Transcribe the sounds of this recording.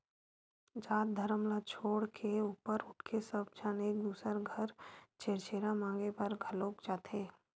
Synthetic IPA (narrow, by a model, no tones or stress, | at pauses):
d͡ʒaːt̪̚d̪ʱəɾəmlat͡ʃʰoːɽkʰeuːpəɾʊʈʰkʰesəb̚d͡ʒaːneːk̚d̪uːsəɾɡʱəɾt͡ʃeːɾt͡ʃeːɾamãːŋɡepɐɾɡʱəloːkd͡ʒaːt̪ʰeː